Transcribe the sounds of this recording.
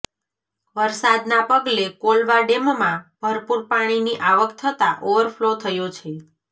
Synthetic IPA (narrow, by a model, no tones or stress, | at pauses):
ʋəɾsad̪napəɡlekolʋaɖemmãb̥ʱəɾpuɾpaɽ̃iniʔaʋəkt̪ʰət̪aʔoʋəɾpʰlot̪ʰəjot͡ʃʰe